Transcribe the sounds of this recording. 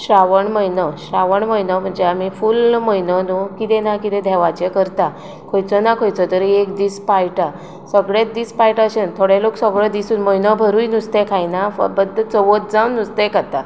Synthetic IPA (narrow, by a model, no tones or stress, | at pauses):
ɕɾaʋəɳməjnɔɕɾaʋəɳməjnɔm̤əɳd͡ʑeamifuːlməjnənukit̪ɛ̃nakit̪ɛ̃d̪ʱɛʋat͡ɕekəɾt̪a | kʰojt͡sɔnakʰojt͡sɔt̪əɾekd̪ispajʈa | səɡɭed̪ispajʈəɕent̪ʰoɽeloksəɡɭəd̪isuːnməjnəbʱəɾujnust̪ẽkʰajnafbəd̪ʱːət͡səʋət̪̚d͡zawnnːust̪ekat̪a